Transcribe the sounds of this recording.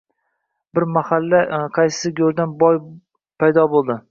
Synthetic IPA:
bɪɾmahalːaqʰɑjsɪ̥sɪɡʲoɾd̪anbɒj | pʰajd̪ɒbolˠd̪ɪ

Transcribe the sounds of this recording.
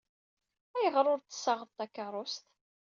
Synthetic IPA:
æjəʁɾˤʊɾt̪ːə̥sːɑʁəðt̪ːɑkːərˤʊst̪

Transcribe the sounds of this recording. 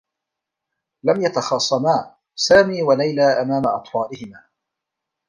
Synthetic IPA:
lamjat̪ɑxɑːsˤːɑmaː | saːmiːwalajlaːʔamaːmaʔɑt̪ˤfɑːlɪhɪmaː

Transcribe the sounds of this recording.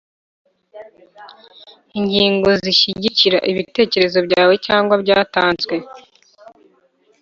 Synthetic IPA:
iɲɟiːŋɡo̞ziʃiɟiciɾa̰ʔiβite̞ːce̞ɾe̞zo̞bɟaːwe̞caːŋɡwabɟaːtaːnzwe̞

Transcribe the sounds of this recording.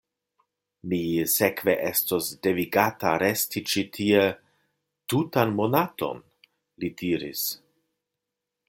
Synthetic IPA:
mise̞kve̞ʔe̞stosde̞viɡataɾe̞stit͡ʃitʰie | tutanmo̞nato̞̰n | lidiɾḭs

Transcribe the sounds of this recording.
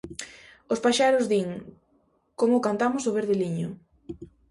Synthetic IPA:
ʊspaʃaɾʊzðiŋ | komʊkant̪amʊsoβeɾðɪliɲʊ

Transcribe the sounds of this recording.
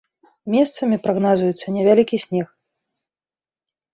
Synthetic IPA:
mʲɛst̪sɐmʲipɾaɣnazujut̪sːɐnʲɛvʲalʲikʲisʲnʲɛx

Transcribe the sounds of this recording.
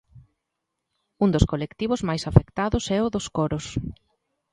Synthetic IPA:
und̪ʊskolekt̪iβʊzmajsafekt̪aðʊsɛʊðʊskoɾʊs

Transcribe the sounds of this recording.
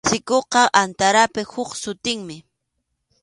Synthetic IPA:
sɪkoqɑʔant̪aɾapɪhʊksʊt̪ɪŋmɪ

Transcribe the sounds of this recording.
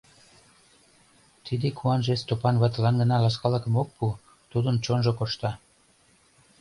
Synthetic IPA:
t̪id̪ekʰuɑnʒest̪opɑnβɑt̪əlɑnɡə̆nɑlɑskɑləkə̆mok̚pu | t̪ud̪ənt͡ɕonʒokoʃt̪ɑ

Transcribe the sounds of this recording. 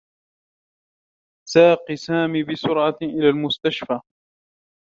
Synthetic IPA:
saːqisaːmiːbɪsʊɾʕɑʔɪlaːlmʊst̪aʃfaː

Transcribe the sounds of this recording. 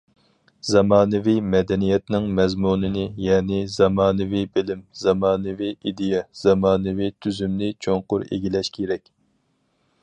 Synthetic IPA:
z̥ɑmɑːnɨvimɛd̪ɛnijɛt̪nɪŋmɛzmunɨnɨjɛːnɪzɑmɑːnɨvibɪlɪmz̥ɑmɑːnɨviid̪ɪjɛz̥ɑmɑːnɨvit̪ʰyzymnɪt͡ʃʰoŋqʊɾḛɡʲilɛʃkʲʰeɾɛkʲ

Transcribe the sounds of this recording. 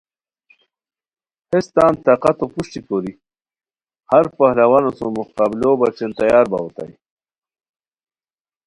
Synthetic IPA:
hest̪aːnt̪aːqat̪opuʂʈ̪ikoːɾi | haɾpahlawanosomukaːbɪlobat͡ɕent̪ajaːɾba̰wot̪a̰j

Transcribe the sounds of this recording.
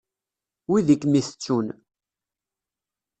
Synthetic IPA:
wiðikːmiθə̥t͡sːun

